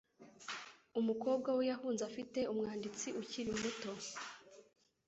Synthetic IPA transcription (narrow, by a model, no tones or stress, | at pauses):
umuko̞ːb̚ɡawejahuːnzafite̞umŋaːndit͡siʔuciɾimuto̞